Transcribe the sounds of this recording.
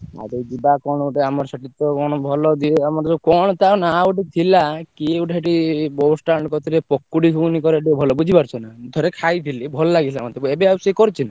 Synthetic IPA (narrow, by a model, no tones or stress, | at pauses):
a̰ɾed͡ʒibakɔɽ̃uʈeamɔɾsɔʈit̪ɔkɔɽ̃ɔbʱɔlɔd̪iamɔɾd͡ʒokɔɽ̃ɔt̪aonauʈit̪ʰilakiuʈʰeʈibɔsʈaɳɖkɔt̪iɾepɔkːuɽikʰunikɔɾeeʈiɔbʱɔlɔbud͡ʒʱipaɾt͡ʃʰɔnad̪ʱɔɾekʰajt̪ʰilibʱɔlɔlaɡit̪ʰa̰mɔnt̪ʰebebeawsekɔɾt͡ʃʰina